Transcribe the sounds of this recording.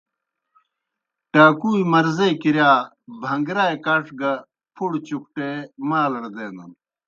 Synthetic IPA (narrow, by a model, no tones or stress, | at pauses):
ʈaːkuːjimɐɾzeːkiɾjaː | bʱɐŋɡɾaːjkaʂɡɐ | pʰuɽt͡ɕuk̚ʈeːmaːlɐɽd̪eːnɐn